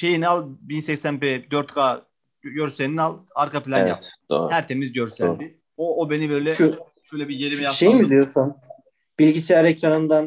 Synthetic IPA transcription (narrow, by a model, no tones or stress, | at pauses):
ʃe̞jinalˠbinsɛcsænpɛd̪øɾt̪kʰaː | ɟøɾsenialˠaɾkʰapʰilʲannja̰p̪o̰hæɾt̪ʰe̞mizɟøɾsæ̰ld̪i | oːbe̞nibø̞jlʲɛo | ʃøjlʲɛbije̞ɾimijaʃejibilʲijosun | b̥ilʲɟisɛjaɾɛct̪oɾanund̪an